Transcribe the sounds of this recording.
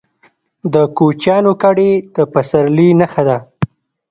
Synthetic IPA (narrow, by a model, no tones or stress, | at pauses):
d̪əkot͡ʃjɑnokaɽed̪əpasaɾlinaxad̪a